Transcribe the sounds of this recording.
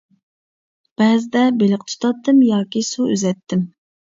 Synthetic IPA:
b̥ɛzɪd̪ɛbelɪqt̪ʰu̥t̪ʰɑt̪ːɨmjɑːkʲisuøzɛt̪ʰːɪm

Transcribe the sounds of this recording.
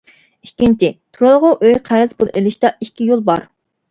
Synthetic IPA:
ikʲːint͡ʃʰit̪ʰuɾɑlˠʁʊʔøjqʰæɾɪzbolˠelɪʃt̪ɑikʲːijolˠbɑɾ

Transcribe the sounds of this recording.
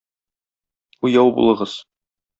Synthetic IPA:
ujɑwbṵlˠɤ̆ʁɤz̥

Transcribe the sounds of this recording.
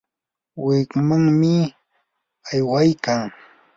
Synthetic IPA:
wɪkmaŋmɪ | ajwajkaŋ

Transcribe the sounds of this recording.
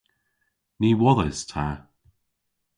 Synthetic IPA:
niːwɔðəstʰa

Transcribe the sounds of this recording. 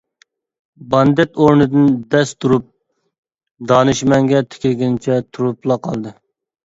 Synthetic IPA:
bɑnd̪ɛt̪oɾnɨd̪ɨnd̪ɛst̪ʰuɾup̚ | d̪ɑnɨʃmɛŋɡʲɛt̪ʰɪ̥kʲlɡʲɪnt͡ʃʰɛt̪ʰuɾuplˠɑqʰɑlˠd̪ɨ

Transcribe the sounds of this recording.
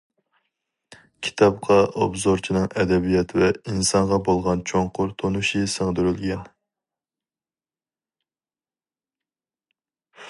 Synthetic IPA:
kʲʰi̥t̪ʰɑp̚qʰɑʔobzoɾt͡ʃʰinɨŋɛd̪ɛbijɛt̪ʰvɛinsɑɴʁɑbolˠʁɑnt͡ʃʰoŋqʰʊɾt̪ʰonuʃisəŋd̪yɾylɡʲɛn

